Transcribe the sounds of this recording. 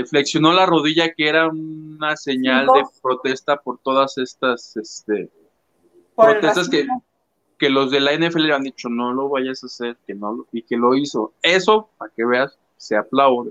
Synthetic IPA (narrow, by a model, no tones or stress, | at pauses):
efle̞ksjo̞no̞laro̞ðiʝakeeɾaunase̞ɲald̪epɾo̞t̪e̞st̪apo̞ɾt̪o̞ðase̞st̪ase̞st̪e̞ | pɾot̪e̞st̪as̬ke | ke̞lo̞zðe̞lae̞neefeeleand̪it͡ʃo̞no̞lo̞βaʝasase̞ɾke̞no̞loike̞lo̞iso̞e̞so̞pake̞βe̞asː | e̞aplawðe